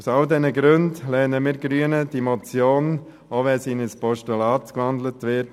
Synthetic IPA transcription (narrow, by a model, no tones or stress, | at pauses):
saldɛnəɡɾøndlɛnəmiːɾɡɾyənədimɔt͡sjoːn | oʋɛsiːnəspɔʃtulɑːtkʋandlətʋɪt